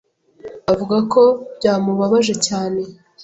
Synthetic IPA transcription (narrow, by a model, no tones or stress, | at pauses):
avuɡako̞bɟaːmuβaβaʒe̞caːne̞